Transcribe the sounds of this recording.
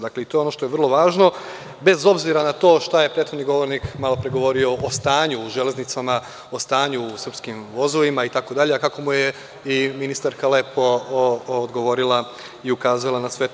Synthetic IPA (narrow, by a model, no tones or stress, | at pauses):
d̪akleit̪o̞jeonoʃt̪oeʋr̩lˠoʋaːʒno̞ | be̞zo̞bziɾanat̪o̞ːʃt̪aje̞pɾeːt̪xod̪niɡo̞ʋo̞ɾnikmalo̞pɾeɡo̞ʋo̞ɾio̞ʔost̪aːɲuːʒe̞lʲe̞znit̪sama | ost̪aːɲuːsr̩pskimʋo̞zoʋimait̪ako̞d̪aʎeakako̞muje̞ | iminist̪aɾkale̞po̞ː | d̪ɡo̞ʋo̞ɾilˠa | iukaːzalˠanasʋe̞